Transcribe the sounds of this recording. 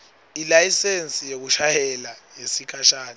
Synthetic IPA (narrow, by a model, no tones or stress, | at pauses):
ilajisensʼijek̬uʃajɛlajesikʰaʃaːnɛ